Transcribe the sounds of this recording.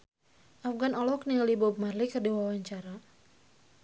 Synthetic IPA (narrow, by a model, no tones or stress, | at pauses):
ʔafɡanɔlɔknilibɔb̚marlikɨrdiwawaɲt͡ʃaɾa